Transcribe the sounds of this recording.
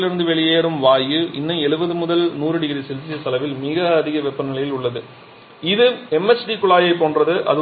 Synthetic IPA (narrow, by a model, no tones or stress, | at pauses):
lɪɾɯnd̪ɯʋɛɭɪjeːɾɯmʋaːjɯʔɪnːɐɛɭɯbɐðɯmʊðɐlnuːɾɯɽɪɣɾisɛlsit̪ːɐlɐʋɪlmɪɣɐɐðɪɣɐʋɛpːɐnɪlɐjɪlʊɭːɐðɯ | ɪðɯɛmɛt͡ʃːʈikʊɭaːjɐɪpoːndrɐðɯʔɐ̰ðɯ